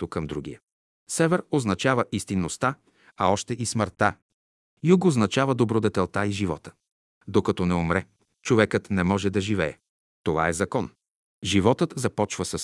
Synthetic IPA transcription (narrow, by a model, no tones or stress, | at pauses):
t̪okːɐmd̪ɾuɡ̟ḭjə | sɛvɛɾoznɐt͡ʃavɐʔist̪inːost̪a | ɐɔʃt̪ɛisməɾt̪a̰ | juɡoznɐt͡ʃavəd̪obɾod̪ɛt̪ɛlˠt̪aiʒivɔ̰t̪ə̥ | d̪okɐt̪ɔnɛomɾɛ | t͡ʃovɛkət̪nɛmɔʒɛd̪ɐʒivɛɛ | t̪ova̰ɛzɐkɔn | ʒivɔt̪ət̪zɐpɔt͡ʃvəsɐs